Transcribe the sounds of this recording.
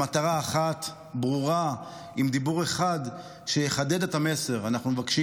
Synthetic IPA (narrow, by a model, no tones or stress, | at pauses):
at̪aʁaːχat̪ | bʁuʁa | imd̪ibuʁe̞χad̪ | ʃejeχad̪e̞d̪e̞tame̞se̞ʁanaχnumevakʃi